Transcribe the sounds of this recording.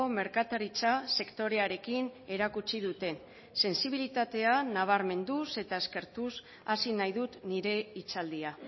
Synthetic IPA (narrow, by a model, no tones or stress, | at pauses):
ome̞ɾkat̪aɾit͡sase̞kt̪o̞ɾe̞aɾe̞kine̞ɾakut͡ʃiðut̪e̞n | se̞nsiβ̞ilit̪at̪e̞anaβ̞aɾme̞nd̪use̞t̪ae̞ske̞ɾt̪us | asinajðut̪niɾe̞it͡sald̪ia